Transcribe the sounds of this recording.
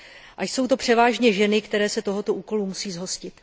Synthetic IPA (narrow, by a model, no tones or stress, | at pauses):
ʔaʃso̞wt̪o̞pr̥ɛvaːʒɲɛʒɛnɪkt̪ɛɾɛːsɛt̪o̞ɦo̞t̪o̞ʔuːko̞lumusiːzɦo̞scɪt̪